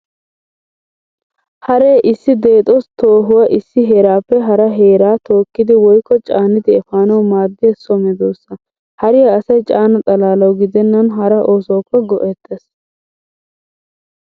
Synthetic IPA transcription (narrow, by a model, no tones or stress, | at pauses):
hɐɾeːʔɪsːɪd̪eːt̪ʼɔst̪oːɦʊwɐʔɪsːɪɦeːɾaːpːɛɦɐɾɐɦeːɾaːt̪o̞ːkːɪd̪ɪwɔjkːɔt͡ʃʼaːnɪd̪ɪɛfaːnɐwmaːd̪ːɪɛsɔmɛd̪oːsːɐ | hɐɾɪjɐːsɐjt͡ʃʼaːnɐt̪ʼɐlaːlɐwɡɪd̪ɛnːɐnɦɐɾɐʔo̞ːsoːpːɛɡɔʔɛt̪ʰʼːes